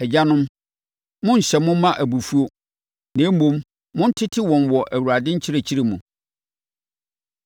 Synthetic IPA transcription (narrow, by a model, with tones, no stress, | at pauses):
ɛ˨d͡ʑa˦nʊ̃˦m | mʊ̃˦n̩˨ɕɛ˨mʊ̃˦mã˦ʔæ˨bu˨fu˦o˦ | nãː˨˦m̩˦mõ˦m | mʊ̃˦n̩˦tʰɪ˦tʰɪ˦wɔ̃˨nwɔ˨ʔæ˨wu˨ɾa˨dɪ̃˦ɲ̩˦t͡ɕʰɪ˦ɾe˨t͡ɕʰi˦ɾe˨mũ˨